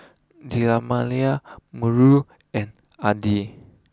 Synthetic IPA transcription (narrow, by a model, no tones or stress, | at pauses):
dilamaliaməɹu | ɛ̃n | adi